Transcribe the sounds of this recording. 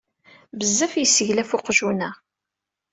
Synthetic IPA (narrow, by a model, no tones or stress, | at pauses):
vəzːæfjəsːəʝlæfʊqʒunæ